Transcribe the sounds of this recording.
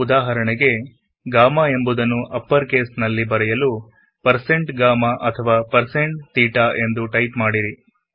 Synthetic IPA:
ud̪aːɦɐɾɐɳɛɡe̞ | ɡaːmae̞mbud̪ɐnːuʔɐpːɐɾkeːsnɐlːibɐɾɛjɐlu | pɐɾse̞ɳʈɡaːmaʔɐt̪ʰɐʋaːpɐɾse̞ɳʈ̚t̪iːʈaʔe̞nd̪uʈɐjt̪maːɽiɾi

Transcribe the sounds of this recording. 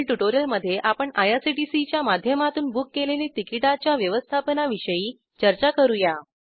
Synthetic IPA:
lʈuʈoɾijəlməd̪ʱːjeʔapəɳajasiʈisit͡ɕjamad̪ʱjəmat̪uːnbukːelelit̪ikiʈat͡ɕjaʋjəʋəst̪ʰapənaʋiʂəjiː | t͡ɕəɾt͡ɕakəɾuja

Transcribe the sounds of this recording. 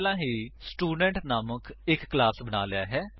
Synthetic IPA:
lãːɦiːsʈuːɖɛ̃ɳʈnaːməkʰɪkːlaːsbəɽ̃aːlɪjaːɦɛː

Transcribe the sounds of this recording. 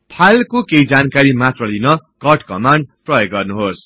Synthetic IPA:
pʰalkokeid͡zankaɾimat̪rʌlinʌkʌrʈkʌmaɳɖ̚prʌjoɡɡʌrnuɦos

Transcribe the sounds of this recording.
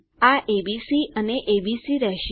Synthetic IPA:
aʔebisiʔəneʔebisiɾɛɦʃ

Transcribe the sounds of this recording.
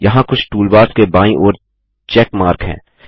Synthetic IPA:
jɐɦãkʊt͡ʃʰʈuːlbaːɾskebãːĩʔɔːɾ | t͡ʃɛːkmaːɾkɦɛ̰̃ː

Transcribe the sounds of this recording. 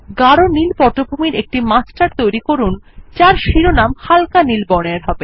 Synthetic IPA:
ɡaɽonilpɔʈobʱumiɾek̚ʈimasʈaɾt̪ojɾikoɾun | t͡ɕaɾʃiɾonamhalkanilbɔɽ̃eeɾɦɔbe

